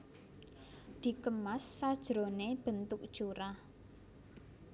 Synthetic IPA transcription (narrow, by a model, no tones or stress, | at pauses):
d̪̥i̤kəmasːad̥ʒ̥ɾoneb̥ə̤nt̪ʊk̚d̥ʒ̥oɾah